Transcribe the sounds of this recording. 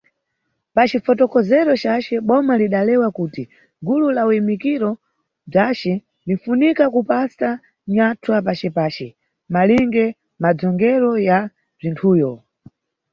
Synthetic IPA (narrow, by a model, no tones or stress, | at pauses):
pat͡ʃifɔtɔkɔzɛɾɔt͡ʃat͡ʃɛɓɔmaliɗalɛwakuːti | ɡululaujimikiɾɔ | b͡ʐat͡ʃɛ | nldiɱ̩funikakupasa | ɲatʰwapat͡ʃɛpaːt͡ʃɛ | maliŋɡɛ | mad͡zɔŋɡɛɾɔja | b͡ʐintʰuːjɔ